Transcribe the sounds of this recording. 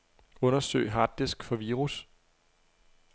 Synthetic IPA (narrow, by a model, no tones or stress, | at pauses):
ɔ̽nɐsø̰ɪ̰ɦɑ̈d̥esɡ̥fɒ̽ʋiːʁus